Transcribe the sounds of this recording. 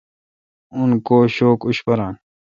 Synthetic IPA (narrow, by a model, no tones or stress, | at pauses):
unkoːɕoːkuɕpɐɾãːn